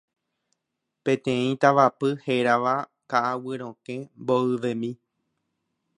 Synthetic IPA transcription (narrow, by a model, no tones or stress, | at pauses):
pẽ̞t̪ẽĩt̪aʋapɨheɾaʋa | kaʔawɨɾ̃õkẽmboɨʋẽmĩ